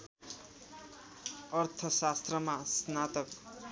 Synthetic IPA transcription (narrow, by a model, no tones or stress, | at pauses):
ʌrt̪ʰʌsast̪rʌmasnat̪ʌk